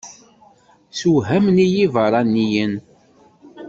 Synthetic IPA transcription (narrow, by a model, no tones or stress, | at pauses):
suɦæmnijivəɾˤɑnːijən